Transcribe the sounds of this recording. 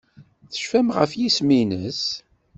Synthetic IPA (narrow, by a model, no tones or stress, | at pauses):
θə̥ʃfæmʁə̰fjisminəs